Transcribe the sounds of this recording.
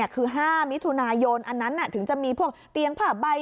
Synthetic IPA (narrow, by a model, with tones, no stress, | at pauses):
kʰɯː˧ɦaː˥˩mi˦˥t̪ʰu˧naː˧jo˧nʔa˧nːa˦˥nːa˧˩t̪ʰɯ˩˦ŋt͡ɕa˨˩miː˧pʰu˥˩ək̚t̪i˧əŋpʰaː˧˩ba˧j